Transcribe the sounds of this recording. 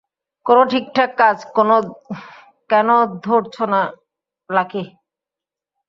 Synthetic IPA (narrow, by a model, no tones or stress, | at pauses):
konoʈʰik̚ʈʰakːad͡ʑkono | kɛnod̪ʱoɾt͡ɕʰona | lakʰe